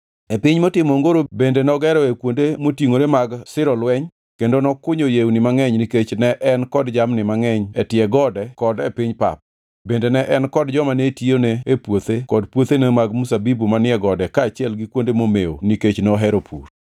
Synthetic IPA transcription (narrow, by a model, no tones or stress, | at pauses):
epɪɲmotɪmoŋɡoɾobendenɔɡɛɾɔekwondemotiŋoɾemaɡsɪɾɔlwɛɲ | kendonɔkʊɲojewnɪmaŋɛɲniket͡ʃnɛʔɛnkɔdd͡ʒamnɪmaŋɛɲɛtɪɛɡɔdɛkɔdɛpɪɲpa̰p̚ | bendenɛʔɛnkɔdd͡ʒɔmanetioneepwot̪ekɔdpwot̪enemaɡmusabibumanɪɛɡɔdɛkaːt͡ʃɪɛlɡɪkwondemomeo̰niket͡ʃnɔɦɛɾopʰuɾ